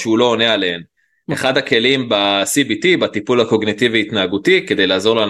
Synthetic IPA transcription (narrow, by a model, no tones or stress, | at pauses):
ʃeulo̞ːnealehem | eχad̪hake̞limbasibit̪ibat̪ipulhako̞ɡnit̪iviit̪naːɡut̪ike̞d̪e̞jlaːzo̞ʁlan